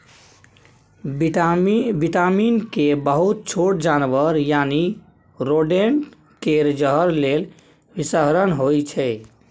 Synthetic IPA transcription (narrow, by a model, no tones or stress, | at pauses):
biʈaminkebəɦut̪̚t͡ʃʰoʈd͡ʒanʋəɾjani | ɾoɖeɳ | keɾd͡ʒəɦəɾlel | bisəɦɾənɦojt͡ʃʰɛ